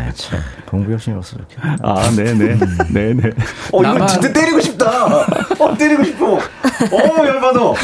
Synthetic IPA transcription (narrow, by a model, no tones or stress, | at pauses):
t͡ɕʰotoŋbujʌɕ͈ʰinʌs͈ʌkʰea̰ne̞ne̞ne̞neʌiɡʌntɯt͈et͈eɾiɡoɕʰip̚t͈aʌt͈eɾiɡoɕʰip̚koʌjʌɭbadʌ